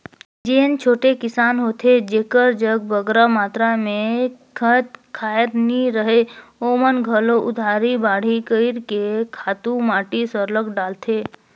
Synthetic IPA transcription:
d͡ʒent͡ʃʰoːʈekɪsaːnɦoːt̪ʰed͡ʒeːkəɾd͡ʒəɡ̚bəɡɾamaːt̪ɾamẽkʰət̪kʰaːjət̪niɾəɦeoːmənɡʱəloʔʊd̪ʱaːɾibaːɽ̤ikəɪɾkekʰaːt̪ũmaːʈisəɾləkɖaːlt̪ʰeː

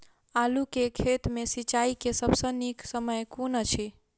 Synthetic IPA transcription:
alukekʰet̪mesit͡ʃaikesəbʱsə̃niksəməjkonət͡ʃʰi

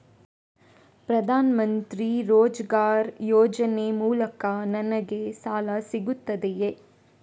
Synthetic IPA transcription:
pɾɐd̪ʱaːnɐmɐnt̪ɾiɾoːd͡ʒɐɡaːɾjoːd͡ʒɐnemuːlɐkɐnɐnɐɡe̞saːlɐsiɡut̪ːɐd̪eje

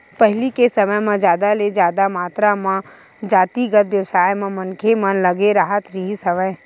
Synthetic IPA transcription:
pɛɦɪlikesɐməjmẽd͡ʒjaːd̪aled͡ʒjaːd̪amaːt̪ɾamã | d͡ʒaːt̪iɡət̪ʋjəʋsaːjmẽmənkʰemə̃nləɡeɾaːɦət̪ɾiɦisɐməj

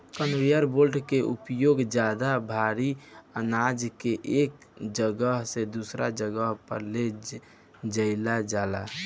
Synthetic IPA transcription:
kənɾijəɾbolʈkeupjoɡd͡ʒjad̪abʱaɾiənad͡ʒkeʔek | d͡ʒəɡəɦsed̪usɾad͡ʒəɡəɦpəɾle | d͡ʒəɪlad͡ʒala̰

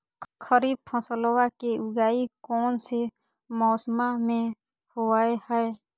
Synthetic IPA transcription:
kʰəɾiːb̚pʰə̃səlwakeʊɡaːikɔːnse | mɔːsmamẽ | hoaːehɛe

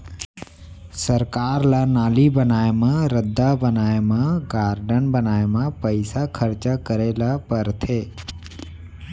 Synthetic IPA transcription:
səɾkaːɾlanaːlibənaːemãɾəd̪ʱːabənaːemãɡaːɾɖənbənaːemãpəɪsakʰəɾt͡ʃakəɾeːlapəɾt̪ʰeː

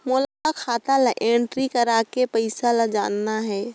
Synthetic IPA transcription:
moːlakakʰaːt̪alaʔeɳʈɾikəɾakepəɪsalad͡ʒa̰ːnːaɦɛː

